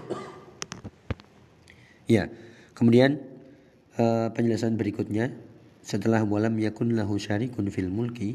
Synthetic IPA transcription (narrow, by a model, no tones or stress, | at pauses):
ja | kəmudian | əpəɲd͡ʒələsanbəɾikʊt̪̚ɲa | sət̪əlahmualamjakʊnlaɦuʃaɾikʊnfilmulki